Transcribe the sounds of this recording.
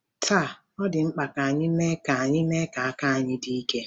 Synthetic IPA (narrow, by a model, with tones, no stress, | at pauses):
tʰa˦˨ | ɔ˦dɪ˨ŋ͡m̩˦k͡pa˨ka˨a˨ɲɪ˦me˦ka˨a˨ɲɪ˦me˦ka˨a˦˨ka˦a˨ɲɪ˦di˦i˦ke˦